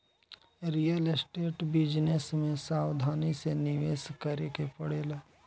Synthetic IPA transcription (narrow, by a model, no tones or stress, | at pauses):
ɾijəlɪsʈeːʈbɪd͡ʒnesmẽsaːwd̪ʱaːnisenɪʋeːskəɾekepɐɽeːlaː